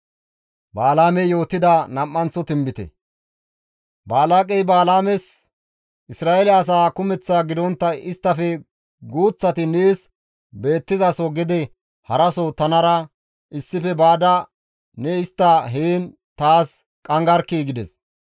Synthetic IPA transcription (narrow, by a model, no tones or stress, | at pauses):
baːlaːmɛjo̞ːt̪ːɪd̪ɐnɐmːɐnt͡sɔt̪ɪmbɪt̪ɛ̰ | baːlaːkʼɛjbaːlaːmɛs | ʔɪsɾaːɛlɪɐs̬aːkʊmɛt͡sːaːɡɪd̪ɔnt̪ːɐɪst̪ːɐfɛ | ɡuːt͡sːɐt̪ɪneːs | be̞ːt̪ːɪzɐsɔɡɪd̪ɛ | hɐɾɐsɔt̪ɐnɐɾɐ | ʔɪsːɪfɛbaːd̪ɐ | nɛɪst̪ːɐɦeːn | t̪aːs | kʼɐŋɡɐɾkːiːɡɪd̪ɛs